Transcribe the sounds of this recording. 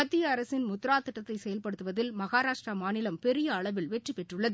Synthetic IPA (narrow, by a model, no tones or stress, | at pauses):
mɐt̪ːɪjɐːɾɐsɪnmʊt̪ːɾaːt̪ːɪʈːɐt̪ːɐɪsɛjɐlpɐɽɯt̪ːɯʋɐðɪlmɐɣaːɾaːʂʈrɾɐmaːnɪlɐmpɛɾɪjɐːɭɐʋɪlʋɛʈːripɛʈrɯɭːɐðɯ